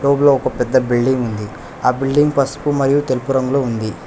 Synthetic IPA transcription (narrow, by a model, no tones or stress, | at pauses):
oːbloːɔkɐpɛd̪ːɐbilɖiŋɡund̪i | aːbilɖiŋɡpɐspumɐɾijut̪elupuɾɐŋɡulound̪i